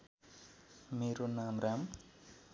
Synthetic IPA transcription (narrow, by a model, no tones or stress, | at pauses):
meːɾonamɾam